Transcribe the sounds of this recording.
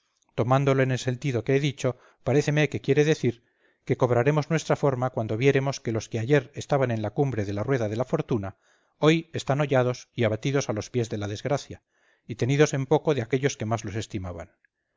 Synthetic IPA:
t̪o̞mãnd̪o̞loene̞lse̞nt̪iðo̞ke̞eðit͡ʃo̞ | paɾe̞θe̞me̞ke̞kje̞ɾe̞ðe̞θiɾ | ke̞ko̞β̞ɾaɾe̞mo̞znwe̞st̪ɾafo̞ɾmakwand̪o̞βje̞ɾe̞mo̞ske̞lo̞ske̞aʝe̞ɾe̞st̪aβanẽ̞nlakumbɾe̞ð̞e̞larwe̞ðað̞e̞lafo̞ɾt̪una | o̞je̞st̪ano̞ʎað̞o̞siaβat̪iðo̞salo̞spje̞zðe̞laðe̞zɣɾaθja | it̪e̞niðo̞se̞mpo̞ko̞ðeake̞ʎo̞ske̞mazlo̞se̞st̪imaβa̰n

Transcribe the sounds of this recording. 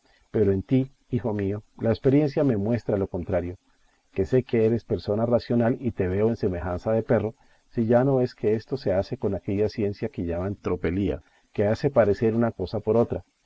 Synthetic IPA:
pe̞ɾoent̪i | ixo̞mio̞laespe̞ɾje̞nsjame̞mwe̞st̪ɾalo̞ko̞nt̪ɾaɾjo̞ | ke̞se̞keeɾe̞spe̞ɾso̞narasjo̞nalit̪e̞βe̞oense̞me̞xansaðe̞pe̞ro̞ | siʝano̞e̞skʰe̞e̞st̪o̞se̞ase̞ko̞nake̞ʝasje̞nsjake̞ʝamaent̪ɾo̞pe̞lia̰ | ke̞ase̞paɾe̞se̞ɾunako̞sapo̞ɾo̞t̪ɾa

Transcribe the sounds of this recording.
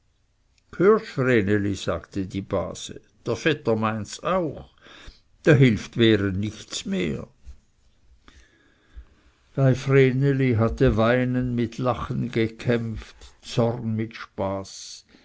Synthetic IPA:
kʰhøːʃfreːneliz̥a̰ːɡtədiːba̰ːz̥ə̰ | d̥eːɐfɛtɐmaɪnsaʊx | d̥aːɦɪlftveːʁənɪçtt͡smeːɐ | v̥aɪfreːneliɦatəvaɪnənmɪtʰlaχən̩ɡəkʰɛmftt͡sɔrnmɪtʃpaːs

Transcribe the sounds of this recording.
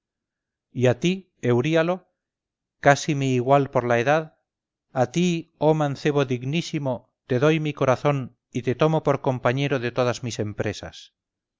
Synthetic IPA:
iat̪i | e̞wɾialo̞ | kasimeːɣwalpo̞ɾlae̞ðað | at̪io̞mãnθe̞βoðiɣnisimo | t̪e̞ðo̞jmiko̞ɾaθo̞n | it̪e̞t̪o̞mo̞po̞ɾko̞mpaɲe̞ɾoðe̞t̪o̞ðazmise̞mpɾe̞sa̰s

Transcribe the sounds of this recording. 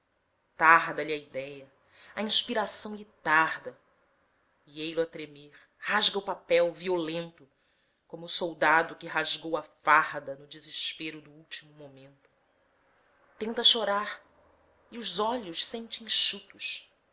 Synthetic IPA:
t̪aɾd̪ɐʎiɐid̪ɛjɐ | ɐĩʃpiɾasɐ̃w̃lɪt̪aɾd̪ɐ | iejlʊɐt̪ɾemeɾ | haʒɡɐʊpapɛwviolẽnt̪ʊ | kõmʊːsowd̪ad̪ʊkɪɦaʒɡowɐfaɾd̪ɐnʊd͡ʒɪzɪʃpeɾʊd̪ʊuwt͡ʃimʊmomẽnt̪ʊ̥ | t̪ẽnt̪ɐʃoɾaɾ | iʊzɔʎʊʃsẽnt͡ʃɪĩʃut̪ʊʃ

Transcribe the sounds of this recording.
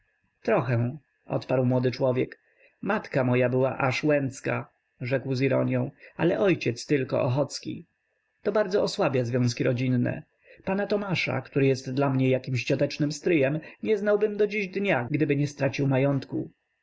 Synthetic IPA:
t̪ɾɔxɛ | ʔɔ̰t̪paɾwmwɔd̪ɘt͡ʂwɔvʲjɛk | mat̪kamɔjabɘwa̰ʔaʂwɛnt̪ska | ʐɛkwziɾɔɲjɔ̃w̃alɛʔɔjt͡ɕɛt̪st̪ɘlkɔ̰ʔɔxɔt̪skʲḭ | t̪ɔbaɾd̪zɔɔswabʲjazvjɔ̃w̃skʲiɾɔd͡ʑinːɛ̰ | panat̪ɔmaʂa̰kt̪uɾɘjɛst̪d̪lamɲɛjakʲimɕt͡ɕɔt̪ɛt͡ʂnɘmst̪ɾɘjɛmɲɛznawbɘmd̪ɔd͡ʑiʑd̪ɲaɡd̪ɘbɘɲɛst̪ɾat͡ɕiwmajɔnt̪ku

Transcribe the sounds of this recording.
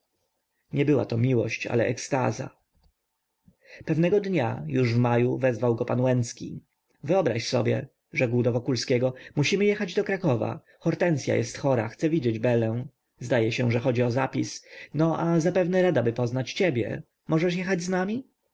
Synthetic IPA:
ɲɛbɘwa̰t̪ɔmʲiwɔ̰ɕt͡ɕa̰lɛʔɛkst̪a̰za̰ | pɛvnɛɡɔd̪ɲa̰juʐvmajuvɛzvawɡɔpanwɛnt̪skʲḭ | vɘɔbɾaɕsɔbʲjɛ̰ | ʐɛɡwd̪ɔvɔkulskʲɛɡɔmuɕimɘjɛxad͡ʑd̪ɔkɾakɔva̰ | xɔɾt̪ɛnt̪sʲja̰jɛ̰st̪xɔɾa̰xt̪sɛvʲid͡ʑed͡ʑbɛlɛ̃ | zd̪ajɛɕɛ̃ʐɛxɔd͡ʑiɔzapʲisnɔʔazapɛvnɛɾad̪abɘpɔznat͡ɕt͡ɕɛbʲjɛ̰ | mɔʐɛʂjɛxad͡ʑznamʲi

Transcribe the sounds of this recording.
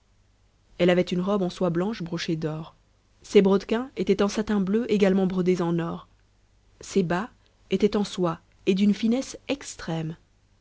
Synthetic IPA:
ɛlavɛt̪ynʁɔbɑ̃swablɑ̃ʃbʁoʃed̪ɔːʁ | sebʁɔd̪kʲɛ̃et̪ɛt̪ɑ̃sat̪ɛ̃bløʔeɡalmɑ̃bʁɔd̪ezɑ̃nɔʁ | seba | et̪ɛt̪ɑ̃swa | ed̪ynfinɛsɛkst̪χɛm

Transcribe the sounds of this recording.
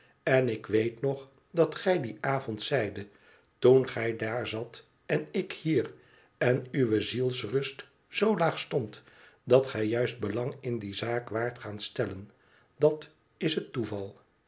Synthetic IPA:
ɛnɪkʋejtnɔχ | dɑtχɛjdiʔaːvɔntsɛjdə | tunχɛjdaːɹzɑt | ɛnɪkhiːr | ɛnyʋəzilˠsrɵst | z̥owlaːχstɔnt | dɑtχɛjjœɥsd̚bəlɑŋɪndizaːkʋaːɹtχaːnstɛlən | dɑt | ɪsɦətuvɑlˠ

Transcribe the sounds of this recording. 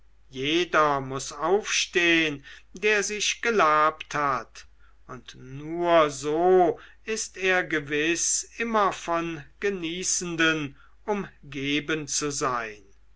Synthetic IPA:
jeːdɐmʊsaʊfʃteːəndeːɐzɪɕɡ̥əlaːpthat | ʊntnuːɐzoː | ɪsteːɐɡəvɪsɪmɐfɔnɡ̥əniːsn̩dən | ʔʊmɡeːbənt͡suzaɪn

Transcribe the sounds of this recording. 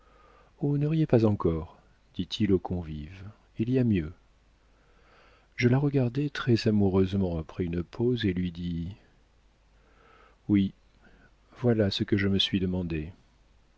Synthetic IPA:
onəʁijepazɑ̃kɔʁ | d̪̥it̪ʰilokʰɔ̃viv | iliamjø | ʒəlaʁəɡaʁd̪ɛt̪χɛzamuʁøzmɑ̃apχɛynpʰozelɥid̪i | wi | vwalasəkəʒəməsɥid̪əmɑ̃d̪e

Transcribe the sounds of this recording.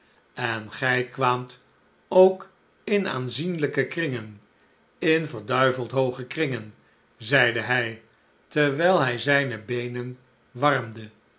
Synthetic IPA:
ɛnχɛjkʋaːmt | owk | ɪna̰ːnzinləkəkrɪŋən | ɪnvəɹdœɥvəlˠtɦowχəkrɪŋən | zɛjdəɦɛj | təʋɛjlˠɦɛjzɛjnəbejnən | ʋɑrmdə

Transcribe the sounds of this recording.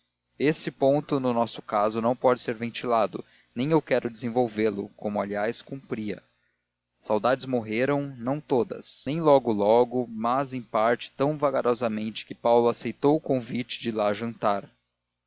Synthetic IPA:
esɪpõnt̪ʊnʊnɔsʊ̥kazʊnɐ̃w̃pɔd͡ʒɪseɾvẽnt͡ʃilad̪ʊ̰ | nẽj̃ewkɛɾʊd͡ʒɪzẽvowvelʊkõmʊaliajskũmpɾiɐ̰ | sawd̪ad͡ʒɪzmoɦeɾɐ̃w̃nɐ̃w̃t̪od̪ɐ̰snẽj̃lɔɡʊlɔɡʊmɐzẽj̃paɾt͡ʃɪ̥t̪ɐ̃w̃vaɡaɾɔzɐmẽnt͡ʃɪ̥kɪpawlʊasejt̪owʊkõvit͡ʃɪ̥d͡ʒɪlaʒɐ̃nt̪aɾ

